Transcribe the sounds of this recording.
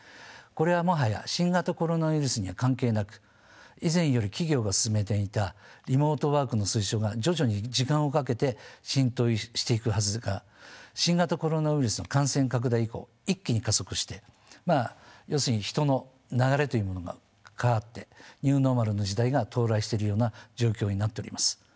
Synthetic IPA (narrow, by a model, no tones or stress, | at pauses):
ko̞ɾe̞β̞amo̞ɦaja̰ɕĩŋɡat̪ako̞ɾo̞naɯiɾɯsɨɲ̟iβakãŋke̞ːnakɯ̟̥ | izẽ̞ɰ̃jo̞ɾʲikʲiɡʲo̞ːɡasɨ̥sɨme̞t̪̬e̞it̪aɾʲimo̞ːt̪o̞βaːkɯ̟no̞sɨiɕo̞ːɡaʑd͡ʑo̞ʑo̞ɲ̟id͡ʑikãɰ̃o̞kake̞t̪eɕĩnt̪o̞iɕi̥t̪e̞ikɯ̟hɦazɨɡa | ɕĩŋɡat̪ako̞ɾo̞naɯiɾɯ̟sɨno̞kãɰ̃sẽ̞ŋkak̬ɯ̟d̪aiiko̞̰ː | ikʲːiɲ̟ikazo̞kɯ̟̥ɕi̥t̪e̞ | maːjo̞ːsɨɲ̟içi̥t̪o̞no̞ | naɣaɾe̞t̪o̞jɯ̟ːmo̞no̞ɡa̰ | kʰaat̪ːe̞ɲ̟ɨːno̞maɾɯ̟no̞d͡ʑid̪aiɡat̪ʰo̞ːɾaiɕi̥t̪eɾɯ̟jo̞ːnad͡ʑo̞ːkʲo̞ːɲ̟inat̪ːe̞o̞ɾʲḭmasɨ̥